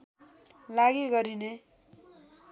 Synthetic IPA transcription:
laɡiɡʌɾine

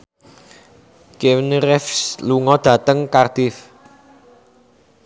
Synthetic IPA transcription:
kewnrɛfsluŋɔd̪̥ä̤t̪əŋkard̪̥ɪf

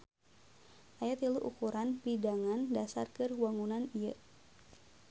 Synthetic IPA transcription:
ʔajat̪iluʔṵkuɾanpidaŋandasa̰rkɨrwaŋunanijə

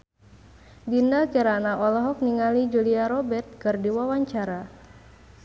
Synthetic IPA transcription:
dindakiɾanaʔɔlɔɦɔk̚niŋalid͡ʒuliaɾɔbɛrt̪̚kɨrdiwawaɲt͡ʃaɾa

